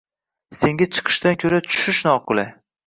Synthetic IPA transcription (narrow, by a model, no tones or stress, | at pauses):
se̞ŋɡʲat͡ʃʰɨ̥qʰɨ̥ʃt̪ankʲʰɵɾat͡ʃʰʊ̥ʃɪʃnɒːqʰʊla